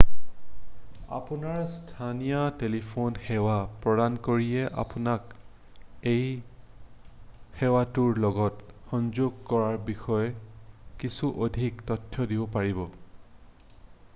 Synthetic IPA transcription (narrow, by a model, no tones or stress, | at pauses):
a̰punaɹstʰanijɔtelipʰonxɛwapɹɔdankoɹiɛʔa̰punak | ej | xɛwatuɹlɔɡɔtxɔnzoɡ̚kɔɹaɹbixɔjɔkisuʔodʱiktɔtʰːjɔdibɔpaɹibɔ